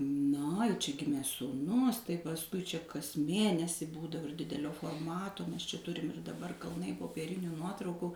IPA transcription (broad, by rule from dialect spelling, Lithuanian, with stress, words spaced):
nɐ ɪ t͡ʃʲɛ ˈɡʲɪmʲeː suːˈnʊs tɐɪ pɐsˈkʊɪ t͡ʃʲɛ kɐs ˈmʲeːnʲɛsʲɪ ˈbuːdɐʋoː ɪr ˈdʲɪdʲɛlʲoː foːrˈmɑːtoː mʲɛs t͡ʃʲɛ ˈtʊrʲɪm ɪr dɐˈbɐr kɐlˠˈnɐɪ poːpʲiɛˈrʲɪnʲʊ ˈnuɔtrɐʊkʊ